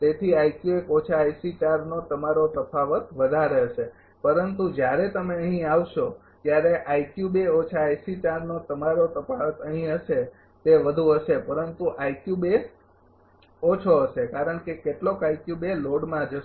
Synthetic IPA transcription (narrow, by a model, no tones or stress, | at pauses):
t̪et̪ʰiajkjuekot͡ʃʰajsit͡ʃaɾnot̪əmaɾot̪əpʰaʋət̪ʋəd̪ʱaɾeʃʰe | pəɾənt̪ud͡ʒjaɾet̪əmeəɦĩaʋʃo | t̪jaɾeʔajkjubeot͡ʃʰaasit͡ʃaɾnot̪əmaɾot̪əpʰaʋət̪əɦĩɦəʃe | t̪eʋəd̪ʱuɦəʃepəɾənt̪uʔajkjubes | ot͡ʃʰoɦəʃekaɾəɳkekeʈlokajkjubeloɽmãd͡ʒə